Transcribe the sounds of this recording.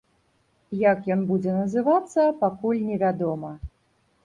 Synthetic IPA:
jɐkjɔnbud͡zʲɛnɐzɨvat̪sːɐpakulʲnʲɛvʲad̪ɔmɐ

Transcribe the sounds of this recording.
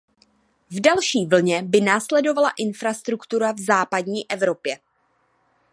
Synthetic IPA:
vdalʃiːvl̩ɲɛbɪnaːslɛdo̞valaʔɪnfɾast̪ɾukt̪uɾavzaːpadɲiːʔɛvɾo̞pjɛ

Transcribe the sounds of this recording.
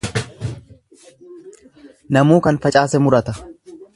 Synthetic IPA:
nɐmuːkɐnfɐt͡ʃʼaːsɛmʊɾɐt̪ɐ

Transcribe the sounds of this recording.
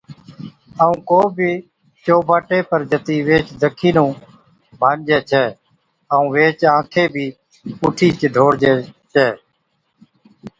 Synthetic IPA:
əũːkoːbʱiː | t͡ʃoːbaːʈeːpəɾd͡ʒət̪iːʋeːt͡ʃd̪əkʰiːnũː | bʱaːnd͡ʒeːt͡ʃʰɛː | əũːʋeːt͡ʃãːkʰeːbʱiː | puːʈʰiːt͡ʃɖʱoːɽd͡ʒeːt͡ʃɛː

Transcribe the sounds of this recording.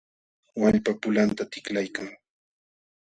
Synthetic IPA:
waʎpapʊlant̪at̪ɪklajkaŋ

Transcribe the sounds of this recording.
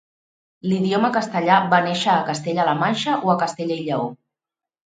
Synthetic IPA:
liðioməkəst̪əʎaβaneʃəːkəst̪eʎələmanʲʃəʔoəkəst̪eʎəiʎəo

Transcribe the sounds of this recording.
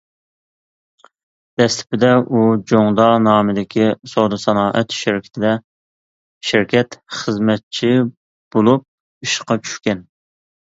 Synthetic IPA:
d̪̥ɛst̪ʰɪ̥pɪd̪ɛʔud͡ʒoŋd̪ɑnɑːmɪd̪ɪkʲisod̪ɨsɑnɑːʔɛt̪ʃɪɾkʲʰɪ̥t̪ʰɪd̪ɛ | ʃɪɾkʲʰɛt̪χəzmɛt̪̚t͡ʃʰi | b̥olˠup̚ | iʃqɑt͡ʃʰy̥ʃkʲɛn

